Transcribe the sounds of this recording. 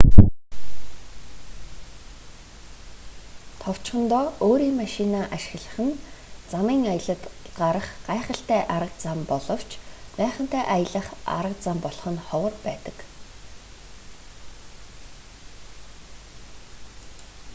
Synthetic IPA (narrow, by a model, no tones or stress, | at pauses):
t̪ʰɔw̥t͡ɕχə̆nt̪ɔːoːɾiːŋmaʃinaːʔaʃɪ̥̆xɮə̆χɘ̆nt͡samiːŋajə̆ɮə̆t̪ɢaɾə̆χɢaːχə̆ɬt̪æːʔaɾə̆q̚t͡sampɔɮɞ̆w̥t͡ɕʰpæːχə̆n̥t̪æːʔajə̆ɮə̆χa̰ɾə̆q̚t͡sampɔɮχɞ̆nχɔwə̆rpæːt̪ə̆k